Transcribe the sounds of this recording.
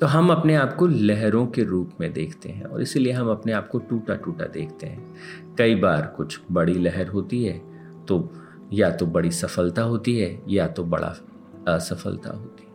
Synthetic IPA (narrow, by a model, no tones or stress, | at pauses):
t̪oːɦɐmɐpneaːpkolɛɦɾõkeɾuːpmẽd̪eːkʰt̪ḛɦɛ̰̃ɔ̰ːɾɪsilieɦɐmɐpneaːp̚koʈuːʈaʈuːʈa̰d̪ḛːkʰt̪eɦɛ̃ | kɐibaːɾkʊt͡ʃʰbɐɽilɛɦɛɾɦoːt̪iɦɛː | t̪o | jat̪obɐɽisɐfəlt̪aɦoːt̪iɦɛjat̪obɐ̰ɽa̰ | sɐfə̰lt̪a̰ɦoːt̪iɦɛ